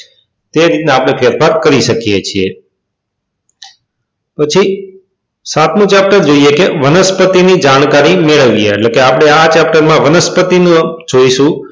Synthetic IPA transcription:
t̪eɾit̪neapɽ̃efeɾfaɾkəɾiʃəkijet͡ʃʰie | pət͡ʃʰi | sat̪ʰmũt͡ʃɛp̚ʈəɾd͡ʒoijekeʋənəspət̪inid͡ʒaɽ̃kaɾimeɭəʋieːʈlekeapəɽ̃eat͡ʃɛp̚ʈəɾmãʋənəspət̪inũ | d͡ʒoiʃũ

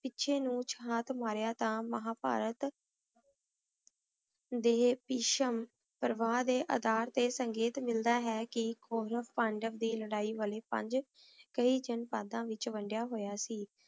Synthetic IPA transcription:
pɪtːʃʰeːnũːt͡ʃʰɦaːt̪ʰmaːɾjaːt̪ãːməɦaːpa̰ːɾət̪ | d̪eːpiːʃəm | pəɾʋaːd̪eːʔə̰d̪aːɾt̪eːsəŋɡeːt̪mɪld̪aːɦɛːkɪkoːɾəʋpãɳɖəʋd̪iːləɽaːiːʋəleːpə̰̃ɲd͡ʒ | kəiːd͡ʒənpaːd̪ãːʋɪt͡ʃʋəɳɖɪjaːɦoːjaːsiː

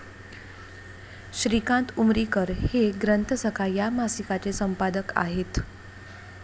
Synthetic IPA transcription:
ɕɾikãnt̪umɾikəɾheɡɾənt̪ʰəsəkʰajamasikat͡sesəmpad̪əka̰ɦet̪

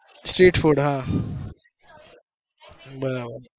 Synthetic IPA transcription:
sʈɾiːʈfʰuɖɦã | bəd̪abəd̪

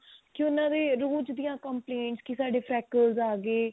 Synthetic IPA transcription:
kɪʊnãːd̪eːɾoːd͡ʒd̪ijãːkəmpleːɳʈskɪsaːɖeːpʰɾɛːkəlzaːɡeː

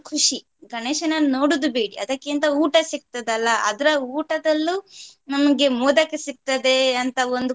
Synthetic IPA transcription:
kʰuʂi | ɡɐneːʃɐnɐno̞ːɽud̪ubeːɽiɐ̰d̪ɐkːint̪ɐuːʈɐsik̚t̪ɐd̪ɐlːɐʔɐd̪ɐɾɐuːʈɐd̪ɐlːunɐmɐɡe̞muːd̪ɐkːesik̚t̪ɐd̪e̞ɐnt̪ɐond̪u

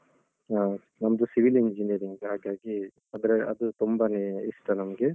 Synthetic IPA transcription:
a | nɐmɐd̪usiʋiliɲd͡ʒinijɐɾiŋɡɦaːɡaːɡi | ɐd̪ɐɾeʔɐ̰d̪ut̪umbɐneisʈɐnɐmɐɡe

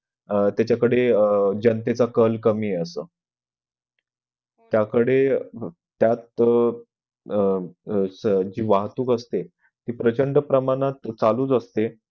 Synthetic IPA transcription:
t̪jat͡ɕakəɽed͡ʑənt̪et͡sakəlkəmiːəsəː | t̪jakəɽe | t̪jat̪̚ | sd͡ʑiːʋaɦt̪uːkəst̪e | t̪iːpɾət͡ɕəɳɖəpɾəmaɽ̃at̪t͡saluːt͡səst̪e

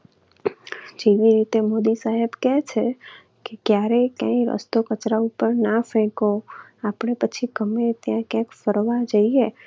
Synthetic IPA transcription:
d͡ʒeʋiɾit̪emod̪isaɦebkɛt͡ʃʰe | kekjaɾekã̰iɾə̰st̪okət͡ʃɾaupəɾnafɛ̃koapɳ̃epət͡ʃʰiɡəmet̪jãkjãkfəɾʋad͡ʒəie

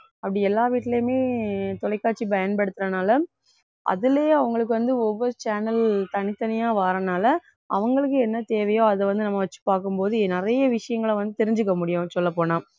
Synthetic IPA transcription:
ɐpːɐɽiɛlːaːʋiːʈːɪlemeːt̪ɔlɐɪkːaːʈ̚t͡ʃːibɐjɐnpɐɽɯt̪ːɾɐnaːlɐ | ʔɐ̰ðɪleːɐʋɐŋɡɐɭɯk̬ːɯʋɐnd̪ɯɔʋːɔɾɯt͡ʃaːnɐlt̪ɐnɪt̪ːɐnɪjaːʋaːɾɐnaːlɐ | ɐ̰ʋɐŋɡɐɭɯkːɯɛnːɐt̪eːʋɐjõːɐðɐʋɐnd̪ɯnɐmːɐʋɐt͡ʃːɯ̥paːɾkɯmpoːðɯnɪrɐjɐʋɪʂɐjɐŋɡɐɭɐʋɐnd̪ɯt̪ɛɾɪɲd͡ʒɯk̬ːɐmʊɽɪjʊ̃sɔlːɐpoːnãː

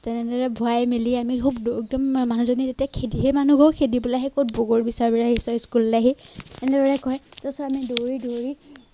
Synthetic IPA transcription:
tɛnɛdɔɹɛbʱɔajmeliamikʰubdeɡ̚dɔmmanuzonitetiakʰediɦɛmanuɡʱɔkʰedibulaɦɛkot̚boɡoɹbisaɹbilaɦisɔskullaɦitɛnɛdɔɹɛkɔjtɔsɔamidoɹidoɹi

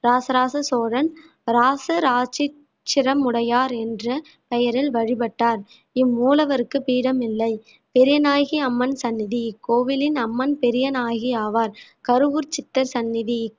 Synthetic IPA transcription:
ɾaːsɐɾaːsɐsoːɻɐn | ɾaːsɐɾaːt͡ʃɪ | t͡ʃːɪɾɐmʊɽɐjaːɾɛndrɐ | pɛjɐɾɪlʋɐɻɪbɐʈːaːɾ | ɪmːuːlɐʋɐɾɯkːɯpiːɽɐmɪlːɐɪ | pɛɾɪjɐnaːjɣiɐmːɐnsɐnːɪðikoːʋɪlɪnɐmːɐnpɛɾɪjɐnaːjɣiaːʋaːɾkɐɾɯʋuɾt͡ʃɪt̪ːɐɾsɐnːɪði

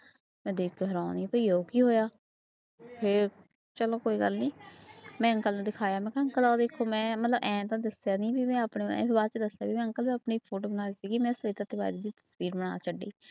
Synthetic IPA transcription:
mɛ̃ːd̪eːkʰoɦəɾaːniːpəiːoːkiːɦoːjaː | pʰɪɾ | t͡ʃəloːkoːiːɡəlniːmɛ̃ːəŋkəlnũːd̪ɪkʰaːjaːmɛ̃ːkəŋkəlaːd̪eːkʰːoːmɛ̃ːmət̪ləbʔɛ̃ːt̪ãːd̪əsjaːniːbimɛ̃ːəpɳḛ̃ːebaːt͡ʃd̪əsjaːbiːmɛ̃ːəŋkəlbiːəpɳiːpʰoːʈoːbənaːiːsiːɡimɛ̃ːsəiːt̪ãːt̪ɪba̰ːid̪iːd̪iːt̪ə̥sbiːɾbəɳ̃a̰ːt͡ʃəɖːḭː

